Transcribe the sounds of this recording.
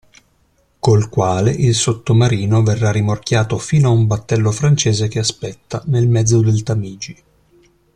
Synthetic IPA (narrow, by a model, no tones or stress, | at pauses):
kolkwaːleʔilsot̪ːomaɾiːnoverːarimork̟jaːt̪ofiːnoaumbat̪ːɛlːofɾant͡ʃeːzekeaspɛt̪ːanelmɛd̪zːod̪elt̪amiːd͡ʒi